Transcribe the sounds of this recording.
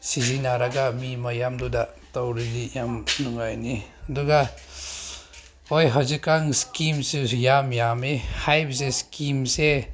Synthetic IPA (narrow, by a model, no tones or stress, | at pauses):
sizinaɾaɡamimɐjamdudatawɾidijamnuŋajniɐduɡa | ojɦawzikːaŋskimsejamjamehajbseskimse